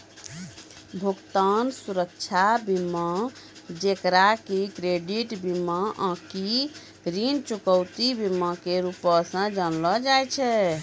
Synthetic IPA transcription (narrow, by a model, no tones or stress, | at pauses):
bʱukt̪ansuɾək̚t͡ʃʰabima | d͡ʒekɾakekɾeɖiʈbimaʔə̃ki | ɾint͡ʃukəwt̪ibimakeɾupɔsə̃d͡ʒənlɔd͡ʒajt͡ʃʰɛ